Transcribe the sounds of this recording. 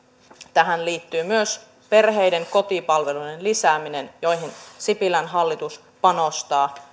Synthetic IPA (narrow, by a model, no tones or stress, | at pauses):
t̪æɦænliːt̪ːyːmyøs | pe̞rɦe̞jdeŋko̞t̪ipɑlʋe̞lujenlisæːminenjo̞jɦinsipilænɦɑlːit̪us | pɑnost̪ɑː